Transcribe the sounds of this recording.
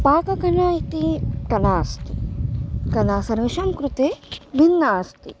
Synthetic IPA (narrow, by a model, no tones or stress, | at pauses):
paːkɐkɐnaːit̪ikɐnaːst̪ḭ | kɐnaːsɐnʋiʃɐmkɾut̪eːʋinːaːst̪ḭ